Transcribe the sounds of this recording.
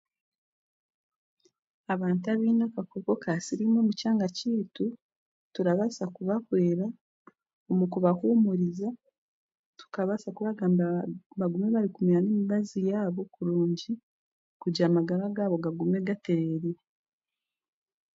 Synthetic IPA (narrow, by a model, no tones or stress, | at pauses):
aβaːntaβiːnakakoko̞kasiɾimo̞mucaːŋɡaciːtu | tuɾaβasakuβakwe̞ːɾa | omukuβahumuɾiza | tu̥kaβasakuβaɡaːmbaβaɡume̞βaɾikumiɾaneːmiβazijaːβo̞kuɾuːɲɟi | kuɟaːmaɡaɾaɡaːβo̞ɡaɡume̞ɡate̞ɾe̞ːɾiɾe